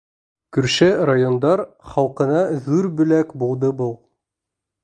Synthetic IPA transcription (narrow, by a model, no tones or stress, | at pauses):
kɵ̆ɾʃærajo̞nd̪ɑɾ | χɑlˠqɤ̆nɑðʉɾbɵ̆lækbulˠd̪ɤbɤlˠ